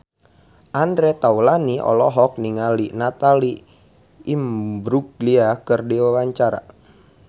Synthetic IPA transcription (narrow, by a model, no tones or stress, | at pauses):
ʔandɾɛt̪aulaniʔɔ̰lɔɦɔk̚niŋalinat̪aliː | mbɾuɡliakərdiwawaɲt͡ʃaɾa̰